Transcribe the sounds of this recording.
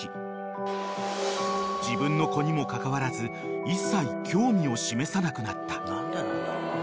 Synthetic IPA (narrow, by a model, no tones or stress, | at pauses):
d͡ʑibɯ̟̃nːo̞ko̞ɲ̟imo̞kakaβaɾazɨ | isːaikʲʰo̞ːmʲio̞ɕime̞sanakɯ̟nat̪ːḁ